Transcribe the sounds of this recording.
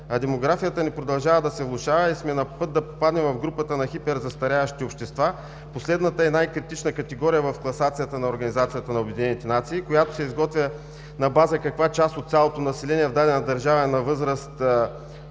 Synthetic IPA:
ɐd̪ɛmoɡɾafijət̪ənipɾod̪ɐlˠʒavəd̪ɐsɛvlˠʊʃavɐismɛnɐpɤt̪̚d̪ɐpo̥pad̪nɛmvɐvɡɾupət̪ənɐxipɛɾzɐst̪ɐɾʲaɐʃt̪iopʃt̪ɛst̪va | poslɛd̪nət̪əɛnajkɾit̪it͡ʃnəkɐt̪ɛɡɔɾijəvɐfklˠɐsat̪sijət̪ənɐoɾɡɐnizat̪sijət̪ənɐobʲɛd̪inɛnit̪ɛnat̪siːkojat̪o̥sɛizɡɔt̪vʲjə | nɐbazəkɐkvat͡ʃast̪ot̪sʲjalˠot̪onɐsɛlɛniɛvd̪ad̪ɛnɐd̪ɐɾʒavɐɛnɐvɤzɾəst̪

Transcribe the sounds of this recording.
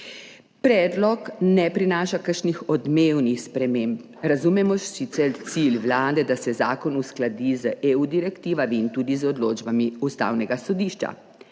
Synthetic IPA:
pɾɛːd̪lɔknɛpɾinaːʃakəɾʃnixɔd̪mewnixspɾɛmeːmp | ɾazumɛmɔʃsit̪sɛɾt̪silwlaːd̪ɛd̪asɛzaːkɔnusklad̪izəʔeud̪iɾɛkt̪iːʋamiːnt̪uːd̪izɔd̪loːd͡ʒbamiust̪a̰ːwnɛɡasɔd̪iʃt͡ʃa̰

